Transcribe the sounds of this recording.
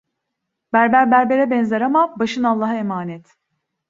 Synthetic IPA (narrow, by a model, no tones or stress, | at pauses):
bæɾbæɾbæɾbe̞ɾɛbɛnzaɾamabaʃɯnalˠːaːɦaemaːnɛt̪